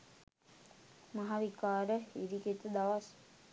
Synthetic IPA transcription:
maɦaʋikaːɾəhiɾiket̪əd̪aʋas

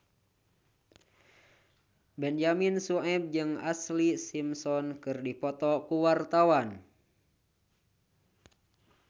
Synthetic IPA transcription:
bɛnd͡ʒaminsuʔɛb̚d͡ʒɨŋa̰slisimsɔnkɨrdipɔt̪ɔkuwart̪awan

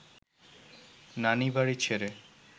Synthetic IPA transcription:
nanibaɾit͡ɕʰeɾe

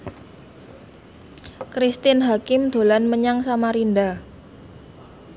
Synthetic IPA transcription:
kɾist̪ɪnɦakɪmd̪̥o̤lanməɲaŋsamaɾinda

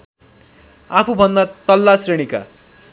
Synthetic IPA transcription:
apʰubʱʌnd̪at̪ʌlːasreɽ̃ika̰

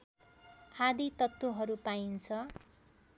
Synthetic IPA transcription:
hʰad̪it̪ʌt̪ːoɦʌɾupaint͡sʰʌ

